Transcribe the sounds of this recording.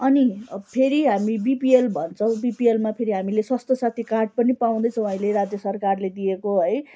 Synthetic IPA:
ʌnipʰeɾiɦamibipielbʱʌnt͡sʰʌw̃bipielmapʰeɾiɦamileswast̪osat̪ʰikarʈ̚pʌnipaw̃d̪ʌjt͡sʰʌ̃w̃aĩleɾad͡zjʌsʌrkarled̪ijekoɦʌj

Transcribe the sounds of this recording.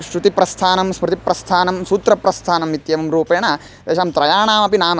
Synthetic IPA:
ʃɾut̪ipɾɐst̪ʰaːnɐmsmɾut̪ipɾɐst̪ʰaːnɐmsuːt̪ɾɐpɾɐst̪ʰaːnɐmit̪jɐʋɐmɾuːpeːɳɐ | d̪eːʃaːmt̪ɾɐjaːɳaːmɐpinaːmɐ

